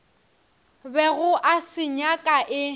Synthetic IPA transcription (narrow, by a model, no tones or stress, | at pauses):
bɛɣʊʔasɪɲakʼaʔɪ